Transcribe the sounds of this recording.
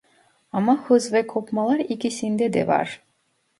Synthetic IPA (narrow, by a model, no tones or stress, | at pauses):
ɑmɑhɯzvɛkʰopmɑlˠɑɾikʲisind̪ɛd̪ɛ̰vɑ̰ɾ